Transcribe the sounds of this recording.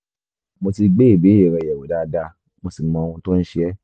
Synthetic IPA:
mo˧ti˧ɡ͡be˦i˦˨be˨˦e˨ɾɛ˨˧˨jɛ˨wo˨da˨˦da˧ | mo˧si˨mɔ̃˧ũ˧tõ˦n̩˦ʃi˦ɛ˦

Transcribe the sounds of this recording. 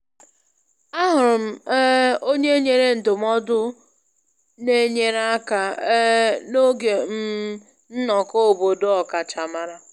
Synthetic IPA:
a˦ɦʊ˨ɾʊ˨m̩˦o˦ɲe˦ɲe˨ɾe˦n̩˨dʊ˨m̩˦ɔ˦dʊ˦ | ne˦ɲe˦ɾa˦ka˨˦ | no˦ɡe˨m̩˦ | n̩˦nɔ˨ko˦o˨bo˨do˦ɔ˨ka˨t͡ʃa˨ma˦ɾa˦

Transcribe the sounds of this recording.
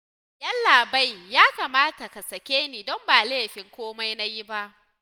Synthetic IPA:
ʔɐ˦nlaː˨ba˦jjaː˦kaː˨maː˦ta˨ka˨sɐ˨kʲeː˦niː˨dɔ˦mbaː˨leː˦˨ɸɪ˦ŋkʷoː˦ma˦jna˦ji˦ba˦ʔ

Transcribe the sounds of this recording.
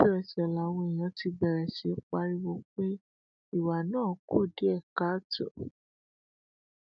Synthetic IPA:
i˦ɾɛ˨sɛ˨la˨˦wõ˧i˨j̃ã˨˧ti˧bɛ˨ɾɛ˨si˨˦k͡pa˧ɾi˦wo˦k͡pe˦ | i˦˨wa˨nãː˦˨˦ku˦˨di˨˦ɛ˦˨ka˨˦tɔ̰˨

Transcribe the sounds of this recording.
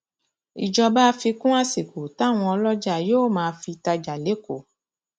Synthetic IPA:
ḭ˨d͡ʒɔ˧ba˦˧˦fi˧kũ˦a˦se˨ko˨ta˨˦˨w̃ɔ̃˧ɔ˧lɔ˦d͡ʒa˦˨joː˦˨mãː˧˦˧fi˧ta˧d͡ʒa˨le˨˦ko˦˨

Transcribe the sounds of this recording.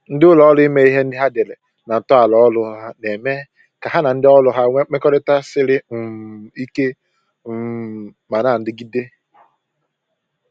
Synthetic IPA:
n̩˦dɪ˦ʊ˦lɔ˨ɔ˦lʊ˦i˦me˦i˦ɦe˦n̩˦dɪ˦ɦa˦de˨le˨ | na˨tɔ˦a˨lɔ˨˦lʊ˦ɦa˦ne˨me˦ | ka˨ɦa˦na˨n̩˦dɪ˦ɔ˦lʊ˦ɦa˦ŋ͡me˦kɔ˦ɾɪ˦ta˦sɪ˦ɾɪ˦m̩˨i˦ke˦˨ | ma˨na˦˨n̩˦dɪ˦ɡi˦de˦

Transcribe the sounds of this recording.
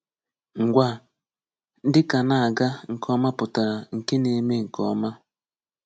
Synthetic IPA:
ŋ̩˨ɡʷa˦ | n̩˦dɪ˦ka˨na˦˨a˨ɡa˦ŋ̩˨kʰɔ˦ma˦pʊ˨ta˨ɾa˨ŋ̩˨ke˦ne˨˦me˦ŋ̩˨kɔ˦ma˦

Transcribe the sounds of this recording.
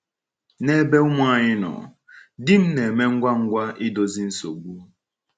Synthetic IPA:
ne˦be˦mʷa˦˨ɲɪ˦nɔ̰˨ | dɪ˦m̩˦ne˨me˦ŋ̩˦ɡʷa˦ŋ̩˦ɡʷa˦ʔɪ˦do˦zi˦n̩˦so̰˨ɡ͡bu˦

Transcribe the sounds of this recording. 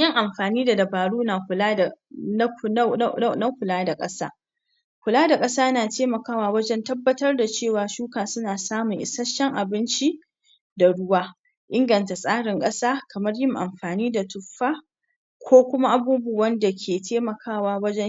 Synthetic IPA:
jɪ˦ŋʔa˨mɸaː˨niː˦da˨dɐ˨baː˨ɽuː˦naː˨kʷʊ˨laː˦da˨n˦˨n˦na˦kʷʊ˨laː˦da˨kʼɐ˦sa̰ː˦ | kʷʊ˨laː˦da˨kʼɐ˦saː˦naː˨teː˦mɐ˨kaː˦waː˦wɐ˦d͡ʒɛ˦ntɐ˦bːɐ˦tɐ˦rda˨t͡ʃeː˦˨waː˨ʃuː˦kaː˨sʊ˦naː˨saː˦mʊ˨ŋʔɪ˨sɐ˦ʃɐ˦ŋʔa˨bɪ˦nt͡ʃi˦ | da˨ɽʊ˦waː˦ | ʔɪ˦ŋɡɐ˨nta˨sʼaː˦ɽɪ˨ŋkʼɐ˦saː˦kʰɐ˨mɐ˦rjɪ˦ŋʔa˨mɸaː˨niː˦da˨tʊ˨ɸaː˦ | kʷʰoː˦kʷʊ˦ma˦ʔa˨buː˦bu˦˨wɐ˦nda˨kʲʰeː˨tʰeː˦mɐ˨kʰaː˦˨waː˦wɐ˦d͡ʒɛ˦

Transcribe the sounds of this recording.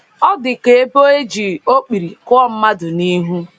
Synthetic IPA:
ɔ˦dɪ˨ke˨e˦bo˦e˦d͡ʒi˨o˦k͡pi˨ɾi˨kʊ˦ɔ˦m̩˦ma˦dʊ˨ni˦ɦu˦

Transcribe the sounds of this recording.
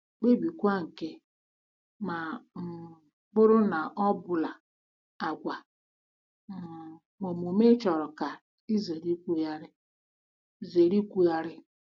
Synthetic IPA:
k͡pe˦bi˨kʷa˦ŋ̩˨ke˦ | ma˨ | ɡ͡bʊ˦ɾʊ˦na˨ʔɔ˦bʊ˨la˨ | a˨ɡʷa˨ | mo˨m˨o˨me˦t͡ʃɔ˨ɾɔ˨ka˨ | i˦ze˨ɾi˦kʷu˦ja˦ɾɪ˦˨ | ze˨ɾi˦kʷu˦ja˦ɾɪ˦

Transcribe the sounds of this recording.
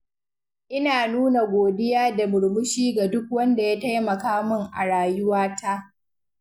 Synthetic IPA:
ʔɪ˦naː˨nuː˦na˨ɡʷoː˨dɪ˦jaː˦da˨mʊ˨ɽmʊ˦ʃiː˦ɡa˨dʊ˦k̚wɐ˦nda˨ja˦ta˦jmɐ˨kaː˦mʊ˦ŋʔa̰˨ɽaː˨jʊ˦waː˦ta˦ʔ

